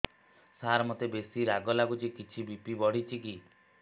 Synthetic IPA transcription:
saɾmot̪ebesiɾaɡɔlakut͡ʃikit͡ʃʰibipibɔɽ̤it͡ʃʰiki

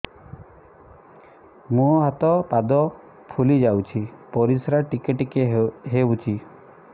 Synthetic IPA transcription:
mũɦat̪ɔpad̪ɔ | pʰulid͡ʒawt͡ʃʰipɔɾisɾaʈikeʈikeɦeut͡ʃʰi

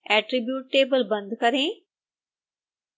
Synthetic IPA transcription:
ɛːʈɾibjuːʈːeːbəlbɐ̃nd̪kɐɾẽː

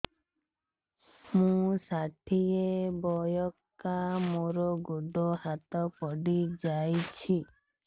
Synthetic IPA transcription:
mũsaʈʰiebɔjɔkamoɾɔɡoɖɔhat̪ɔpɔɖid͡ʒajt͡ʃʰi

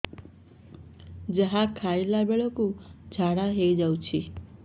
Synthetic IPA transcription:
d͡ʒəɦãkʰaelabeɭɔkũd͡ʒʱaɽaɦejd͡ʒawt͡ʃʰi

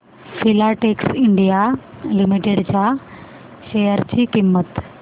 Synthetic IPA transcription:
fʰilaʈeːksɪɳɖija | limiʈeɽt͡ɕa | ʃejəɾt͡ɕiːkimːət̪

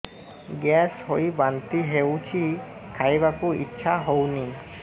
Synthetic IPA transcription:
ɡɛshojbant̪iɦewt͡ʃʰikʰajbakuḭtːʃʰaɦowni

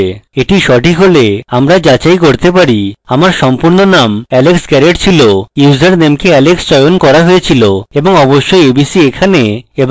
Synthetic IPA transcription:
eʈiʃɔʈʰikɦoleamɾad͡ʑat͡ɕajkoɾt̪epaɾiamaɾʃɔmpuɾnonamɛleksɡɛɾeʈt͡ɕʰilojuzaɾnemkeɛlekst͡ɕɔjonkɔɾaɦojet͡ɕʰiloeboŋɔboʃːojebisiekʰaneeb

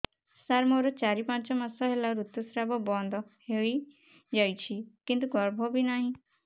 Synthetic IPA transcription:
saɾmoɾɔt͡ʃaɾipãnt͡ʃɔmasɔɦelaɾut̪ːusɾabɔbɔ̃nd̪ʱɔhei | d͡ʒajt͡ʃʰikint̪̬uɡɔɾbʱɔbʱinaɦĩ

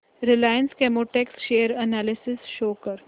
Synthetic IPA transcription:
ɾɪlaːjə̃nskemoːʈɛksʃeːəɾɐnaːlɪsɪsʃoːkəɾ

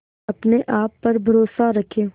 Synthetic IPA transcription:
ɐpneʔaːpːɐɾbʱɐɾoːsaɾɐkʰeː

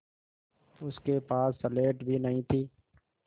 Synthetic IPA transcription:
ʊskeːpaːsːəleːʈbʱiːnəɦĩːt̪ʰiː

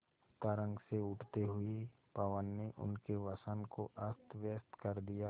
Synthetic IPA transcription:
t̪aɾə̃ŋɡseʊʈʰt̪eɦʊe | paʋənːeʔʊ̰nkeʋasənkoʔəst̪ʋjəst̪kɐɾd̪ijaː

